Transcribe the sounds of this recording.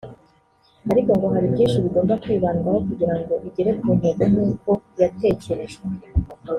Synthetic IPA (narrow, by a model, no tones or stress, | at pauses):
aɾiko̞ŋɡo̞ɦaɾibɟiːnʃiβiɡo̞ːmbakwiːβaːnuɡaɦo̞kuɟiɾaŋɡo̞ʔiɟe̞ɾe̞kuuneɡunuːko̞jate̞ːce̞ɾe̞ʒe